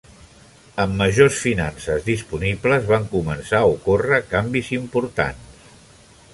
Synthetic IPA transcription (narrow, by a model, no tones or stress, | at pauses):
əmːəʒosfinansəzðispunipləzβaŋkumənsaukorəkambizimpuɾt̪a̰ns